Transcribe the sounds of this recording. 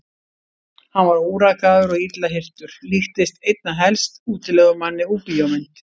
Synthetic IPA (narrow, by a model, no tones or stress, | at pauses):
hanvaɾuːɾakaðʏɾɔɣit̪laɦɪr̥t̪ʏɾ̥lixt̪ɪst̪ejt̪̚naɦɛlst̪uːt̪ɪlɛɣʏmanːɪuːpijomɛnt̪